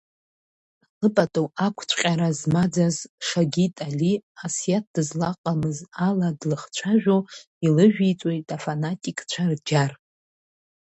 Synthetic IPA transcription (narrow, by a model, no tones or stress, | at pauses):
lɨpʼatʼowakʷʰt͡ɕʷʰʼqʲʼaɾazmad͡zazʂaɡʲitʼaliasijat̚ʰd̥ɨzlaqʼamɨzaladlɨχt͡ɕʷʰaʒᶣʷo | ilɨʒᶣit͡sʷʼo̞jtʼafanatʼikʼt͡ɕʷʰard͡ʒar